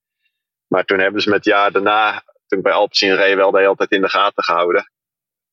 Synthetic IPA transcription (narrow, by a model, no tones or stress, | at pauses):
maːɹtunɦɛbənzəmɛtjaːɹdanaː | tunɪbɛjɑlˠpsinrejʋɛlˠdəɦɪːlˠtɛjtɪndəχaːtəχəhawdə